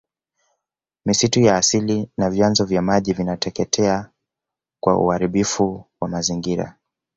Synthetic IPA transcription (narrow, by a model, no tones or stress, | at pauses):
misitujaːsilinavjanzɔvjamaʄivinatɛkɛtʰɛa | kwa̰ṵhaɾiɓifuwamaziŋɡiɾa̰